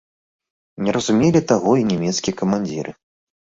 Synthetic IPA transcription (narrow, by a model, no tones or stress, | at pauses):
nʲɛɾɐzumʲelʲit̪aɣɔinʲɛmʲɛt̪skʲijɐkɐmanʲd͡zʲḭɾʔɨ